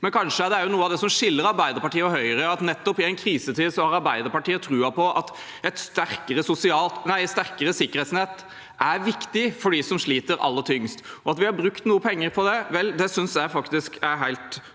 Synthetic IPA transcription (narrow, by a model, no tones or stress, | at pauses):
mɛnkʰɑnʂəæɾɖ̪ɛæɾjʊnuːəɑʋd̪ɛsɔmʂɪlːəɾɑɾbæɪd̪əɾpɑʈiːəɔɦœʏəɾəɑt̪nɛt̪ːɔpɪɛɪnkʰɾiːsət̪ʰiːd̪sɔhɑɾɑɾbæɪd̪əɾpɑʈiːət̪ʰɾʉːɑpʰɔʔɑt̪ | ɛt̪st̪æɾkəɾəsʊsɪɑːlt̪næɪst̪æɾkəɾəsɪkːəɾ̩ɛːt̪snɛt̪ː | ʔæɾʋɪkt̪ɪfɔɖisɔmʂɭiːt̪əɾʔɑ̰lːət̪ʰʏŋst̪ɔɑt̪ʋɪhɑɾbɾʉkt̪nuːəpʰɛŋːəɾpʰɔd̪ɛʋɛld̪ɛsʏnsjæɪfɑkt̪ɪskæɾɦæɪlt̪